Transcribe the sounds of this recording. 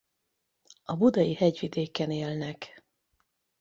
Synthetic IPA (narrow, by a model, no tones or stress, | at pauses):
ɒbud̪ɒjihɛɟʋid̪eːkɛneːlnɛk